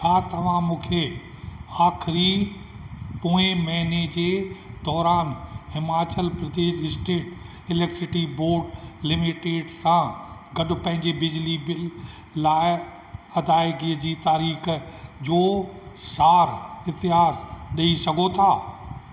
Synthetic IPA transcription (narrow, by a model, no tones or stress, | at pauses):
t͡ɕʰaːt̪ɐʋ̤ãmũːkʰe | aːxʰɪɾi | poːẽmɐɦned͡ʑeːd̪ɔːɾaːnɦɪmaːt͡ɕəlpɾɐd̪eːʃɪsʈeːʈ | ɪlɛːkʈsɪʈiboːɾɖlɪmɪʈeːɖsãɡɐɗʊ̆pɐ̃ɦɪ̃ɲd͡ʑebɪd͡ʑlibɪ | laːɪ | ɐd̪aːɪɡiəd͡ʑiːt̪aːɾiːxd͡ʑoːsaːɾɪt̪ɪjaːɾɗɐisɐɡʱot̪ʰaː